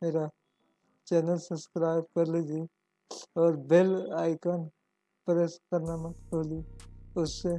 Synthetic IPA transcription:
meːɾa | t͡ʃɛːnəlsəbskɾaːɪbkɐɾlid̪i | ɔːɾbelaːɪkan | pɾeskɐɾnamɐt̪koːliʊsːe

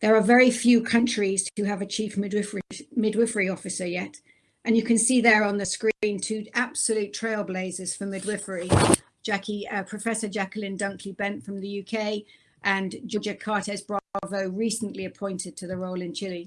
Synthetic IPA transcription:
ðəɹəvɛɹifjʉːkʰʌ̃nt͡ʃɹ̥iz̥hʉəvət͡ʃʰiˑfmɪɪfmɪdwɪfəɹiɒfɨsəjɛt | ə̃njɨkʰɨ̃nsiːðəɹə̃nðəskɹiĩntʰʉab̥səljʉˑtʰɹ̥eɪlˠbleɪzɪz̥fəmɪdwɪfəɹi̥ | d͡ʒ̥akʰiəpʰɹ̥əfɛsəd͡ʒakəlɪ̃ndʌ̃ŋkʰlibɛ̃ntfɹə̃mðəjʉːkʰeɪ | ʔə̃nd͡ʒɪd͡ʒəkʰɑɹtɛzbɹɑvoʊɹiˑsə̃n̩ʔliəpʰɔ̃ɪ̃ntʰɪd̚tʰəðəɹoʊlɪ̃nt͡ʃʰɪli

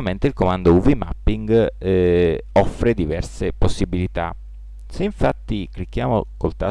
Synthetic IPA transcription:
ament̪eilkomand̪ouvima̰pːiŋɡ | ɔfːɾed̪ivɛrseposːibilit̪a̰ | seiɱfat̪ːiklik̟ːjaːmokolt̪a

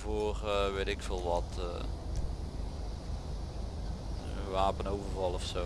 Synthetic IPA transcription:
voːrəʋeːtɪkfəːlˠʋɑtə | ʋaːpənowvərvɑlˠɔfso

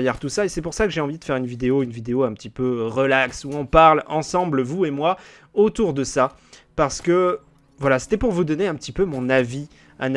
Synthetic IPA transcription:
jɛʁt̪usaesɛpuʁsakəʒeɑ̃vid̪əfɛʁynvid̪eoynvid̪eoɛ̃pət̪ipøʁəlaksuɔ̃paʁlɑ̃sɑ̃blvuemwa | ot̪uʁd̪əsa | paʁsə̥kə | vwalase̥t̪ɛpuʁvud̪ɔneɛ̃pət̪ipømɔ̃navi | an

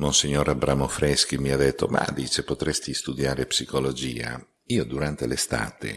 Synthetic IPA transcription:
monsiɲːoɾabɾaːmofɾɛsk̟imiad̪ːet̪ʰːo̰ma̰d̪iːt͡ʃepot̪ɾɛst̪ist̪ud̪jaːɾepsikolod͡ʒiːa̰ | iːod̪uɾant̪elest̪a̰ːt̪ḛ

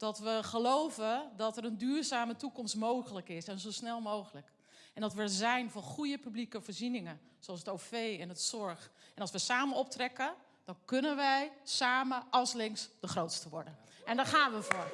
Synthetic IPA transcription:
d̥ɔtʋəχəlowvədɔtəɾəndyːɹzaːmətukɔmstmowɣələkɪsɛnzowsnɛlˠmowɣələk | ʔɛndɔtʋəzɛjnvɔχujəpyblikəvəːɹzinɪŋə | soɑlˠsətofejɛnətsɔɹxɛnɑlˠsʋəsaːmənɔp̚trɛkə | d̥ɔnkɵnənʋɛjsaːməɑlˠslɪŋsd̥əxrowtstəʋɔɹdən | ʔɛndɔχaːnʋəvʊːɹ

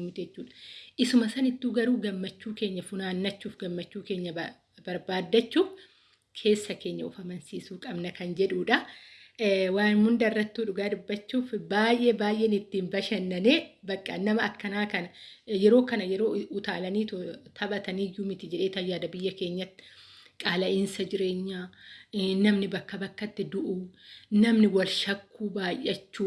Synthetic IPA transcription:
mɪt̪d͡ʒɛt͡ʃːuːᶑɐ̥ʔɪsʊmɐsɐnɪt̪ːuːɡɐɾuːɡɐmːɐt͡ʃːuːke̞ːɲːɐfʊnaːnːɐt͡ʃːuːfɡɐmːɐt͡ʃːuːkeːɲːɐ | bɐɾbaːd̪ːɐt͡ʃːuːf | kʰe̞ːsːɐke̞ːɲːɐʊfɐmɐnsiːsuːkʼɐbnɐkɐnd͡ʒɛᶑuːᶑɐ | waːnmʊnd̪ɐrːɐt̪ːuːᶑʊɡaːdʊbːɐt͡ʃːuːfbaːjʔe̞ːbaːjʔeːnɪt̪ːiːnbɐʃɐnːɐneːbɐkʼːɐnɐmɐɐkːɐnaːkɐnɐjɛɾo̞ːkɐnɐjɛɾo̞ːʊt̪aːlɐniːt̪t̪ʰɐbɐt̪ɐniːjuːmɪt̪ɪd͡ʒɛᶑe̞ːt̪ɐjːaːd̪ɐbɪjːɐke̞ːɲːɐt̪ːɪ̥kʼaːlɐʔɪnsɐd͡ʒɪɾe̞ːɲːaː | nɐmnɪbɐkːɐbɐkːɐt̪ːɪd̪ʊʔunɐmnɪwɐlʃɐkːuːbaːjʔɐt͡ʃːuː

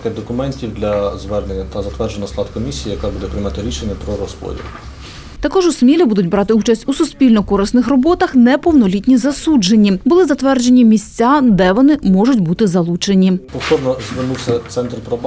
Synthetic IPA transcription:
kɛd̪ɔkʊmɛnʲtʲiwd̪lʲɐzʋɛrnenʲːɐt̪ɐzɐt̪ʋɛrd͡ʒenɐslˠɑd̪kɔmʲisʲijijɐkabud̪ɛpɾɪjmɑt̪ɪɾʲiʃenʲːɐpɾɔɾɔspɔ̰dʲḭlʊ | t̪ɐkɔʒʊsmʲilʲibud̪ʊtʲbɾɑt̪ɪut͡ʃɐsʲtʲusʊspʲilʲnɔkɔɾɪsnɪxrɔbɔt̪ɐxnɛpɔwnɔlʲitʲnʲizɐsud͡ʒenʲːibʊlˠɪzɐt̪ʋɛrd͡ʒe̞nʲːimʲisʲt͡sʲːad̪ɛʋɔnɪmɔʒʊtʲbut̪ɪzɐlˠut͡ʃenʲipɔft̪ɔɾnɔzʋɪrnuwsʲɐt̪sɛnt̪rpɾɔb

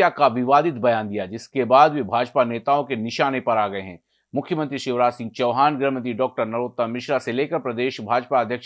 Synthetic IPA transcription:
akaʋɪʋaːd̪ɪt̪bɐjaːnd̪ijad͡ʒɪskebaːd̪ʋibʱaːd͡ʒpaneːt̪aːõkenɪʃaːnepɐɾaːɡɐeɦɛ̰̃ː | mʊkʰjəmə̃nt̪ɾiʃɪʋɾaːsɪ̃ŋɡ̚t͡ʃɐʋɦaːnɡɾəɦmənt̪iɖɔːk̚ʈəɾnɐɾoːt̪ːamɪʃɾaseleːkəɾpɾɐd̪eːʃbʱaːd͡ʒpaɐd̪ʱjɐkʃ

